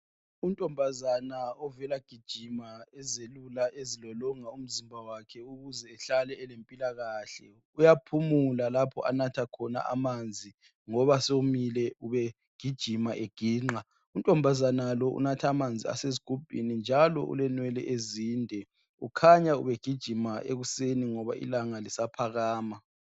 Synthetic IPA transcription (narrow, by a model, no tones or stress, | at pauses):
untʼɔmbʱazanaɔvɛlaɡ̥ʱid̥ʒ̥ʱimaɛzelulaezilɔlɔŋaum̩zimbʱawakʰɛuɣuzɛːɬalɛɛlempʼilaɣaɬɛ | ujapʰumulalapʰɔʔa̰natʰakʰɔna̰ʔamand͡zʱi | ŋɔβasomilɛuβɛ | ɡ̥ʱid̥ʒ̥ʱimaʔeɡ̥ʱiːŋ͡ǃa | untʼɔmbʱazanalɔʔṵnatʰaːmand͡zʱia̰seziɡ̥ʱub̥ʱḭnind͡ʒʱalɔ̰ʔṵlɛnwɛlɛ̰ʔeziːndʱɛ | ukʰaɲaṵβɛɡ̥ʱid̥ʒ̥ʱimaʔḛɣuseniŋɔβa̰ʔḭlaŋalisapʰaɣaːma